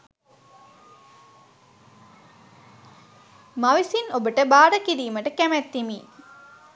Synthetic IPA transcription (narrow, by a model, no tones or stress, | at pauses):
mɐʋisinobəʈəbaːɖəkiɾiːməʈəkæmæt̪ːimiː